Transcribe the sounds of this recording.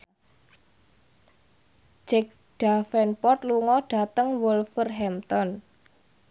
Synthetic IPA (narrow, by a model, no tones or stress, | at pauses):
d͡ʒ̥ɛk̚ | ɖ̥afɛnpɔt̪̚luŋɔɖ̥a̤t̪əŋwʊlfərɦɛmt̪ɔn